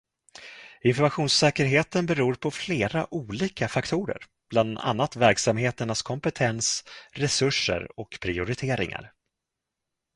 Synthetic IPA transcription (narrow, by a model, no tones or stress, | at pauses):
ɪnfɔɾmaɧuːnssɛːkəɾɦeːt̪ənbɛɾuːɾpʰɔfleːɾaʔuːliːkafakt̪ʰuːɾə̰ɾ | b̥land̪a̰nːat̪væɾksamheːt̪əɳaskʰɔmpɛt̪ʰɛnsɾɛsɵʂːə̰ɾɔkpʰɾɪʊɾɪt̪ʰeːɾɪ̰ŋa̰ɾ